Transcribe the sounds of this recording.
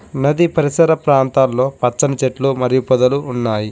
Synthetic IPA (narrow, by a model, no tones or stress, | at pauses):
nɐd̪ipɐɾisɐɾɐpɾaːnt̪aːlːo̞ːpɐt͡ʃːɐnɐt͡ʃeʈlumɐɾijupɔd̪ɐluːnːaːji